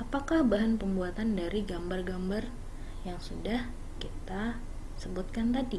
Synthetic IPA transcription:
ʔapakahbaɦanpəmbuat̪andaɾiɡambarɡambar | jaŋsudah | kit̪a | səbʊt̪̚kant̪adi

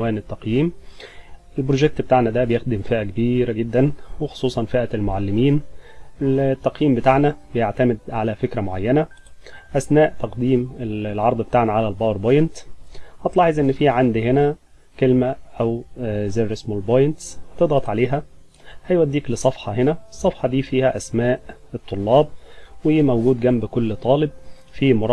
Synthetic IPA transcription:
wæːnet̪ːɑqjiːm | ʔelbɾoʒek̚t̪bet̪aʕnæd̪æbejexd̪ɪmfɪʔækebiːɾæɡed̪ːænwexo̥sˤuːsˤɑnfeʔælmoʕalːɪmiːn | t̪ːɑqjiːmbet̪aʕnæbejaʕt̪æmɪd̪ʕalæfekɾæmoʕa̰jːænæ | ʔæsnæːʔt̪ɑqd̪iːmelʕɑɾˤd̪ˤbet̪aːʕnæʕalælbɑːwɾbɑjent̪hɑt̪lɑːħezˤʔenːfiːʕand̪henæ | kelmæʔæwzeɾɪsmolbojnt̪hɑt̪ed̪ɣɑt̪ˤʕaleːɦæ | hæjwæd̪ːiːklɪsˤɑfħɑhenæsˤːɑfħɑd̪iːfiːhæʔæsmæːʔet̪ˤːolːɑːb̚wɪmowɡuːd̪ɡæmbkolːt̪ˤɑːlɪb̚ | fiːmoɾˤ

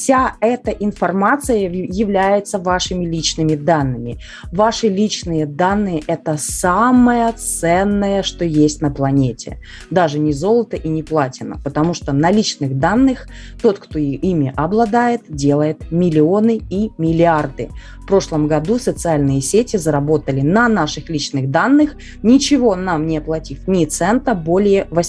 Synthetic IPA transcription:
fsʲaɛt̪əʔɪnfɐrmat̪sɨjəjɪvlʲæjɪt̪səvaʂɨmʲɪlʲit͡ɕnɨmʲɪd̪anːɨmʲɪ̰ | vaʂɨlʲit͡ɕnɨjəd̪anːɨjəʔɛt̪əsaməjət̪ssɛnːəjəʂt̪o̞jesʲtʲnəplˠɐnʲetʲɪ̰ | d̪aʐɨnʲɪzo̞lˠət̪əʔinʲɪplˠatʲɪnːə̰pət̪ɐmuʂt̪onɐlʲit͡ɕnɨɣd̪anːɨx | t̪o̞t̪kt̪o̞imʲɪʔɐblˠɐd̪ajɪt̪̚dʲe̞lˠəjɪt̪mʲɪlʲɪo̞nɨimʲɪlʲɪard̪ɨ̰ | fpɾo̞ʂlˠəmɡɐd̪usət̪sɨalʲnɨjəsʲetʲɪzəɾɐbo̞t̪əlʲɪnɐnaʂɨxlʲit͡ɕnɨɣd̪anːɨx | nʲɪt͡ɕɪvo̞namnʲɪɐplˠɐtʲifʲnʲɪt̪sɛnt̪əbo̞lʲɪjəvɐ

